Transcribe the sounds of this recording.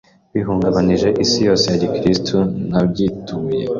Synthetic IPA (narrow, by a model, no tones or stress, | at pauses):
wiɦuːŋɡaβaniʒe̞ʔisijo̞ːse̞jaɟikɾistʰunabɟituːje